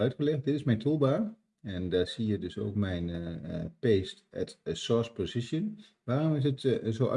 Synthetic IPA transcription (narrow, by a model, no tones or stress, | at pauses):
œɥtxəlɛxt̚dɪtɪsmɛjntʰulˠbaː | ɛndaːsiədøso̰ːkmɛjnpeːstɛ̰tsɔɹspozɪsjən | ʋaːromɪs̬ətsoːʔa̰